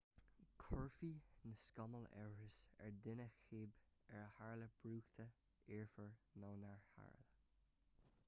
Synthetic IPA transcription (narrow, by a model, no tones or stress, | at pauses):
kʰɔɹfinəskɑməlɛ̰ɹɹəsɛ̰ɹdɪnəxeːbɛɹəhaɹləb̥ɹuːxt̪ʰə | iɹfəɹnɔnaɹha̰ɹlə